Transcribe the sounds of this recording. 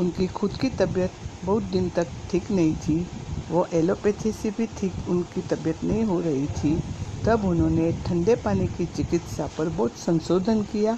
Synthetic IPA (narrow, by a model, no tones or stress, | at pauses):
ʊnkixʰʊd̪kit̪ɐbjət̪bɐɦʊt̪̚d̪ɪnt̪ɐkʈʰiːknɐɦĩt̪ʰiʋoʔɛːlopet̪ʰesebʱiʈʰiːkʊnkit̪ɐbjət̪nɐɦĩɦoɾɐɦit̪ʰit̪ɐbʊnɦõːneʈʰɐ̃ɳɖepaːnikit͡ʃɪkɪt̪sapɐɾbɔːt̪sɐ̃nsoːd̪ʱənkijaː